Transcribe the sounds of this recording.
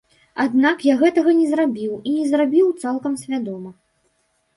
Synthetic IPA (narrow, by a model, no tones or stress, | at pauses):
ad̪nakjaɣɛt̪ɐɣɐnʲɛzɾabʲiwinʲɛzrabʲiwt̪salˠkɐmsʲvʲad̪ɔmɐ